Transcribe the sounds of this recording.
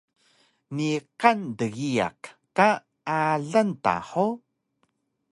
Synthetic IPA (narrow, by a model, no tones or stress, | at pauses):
niqandəɣia̰k | ka | ʔaɮənta̰ħo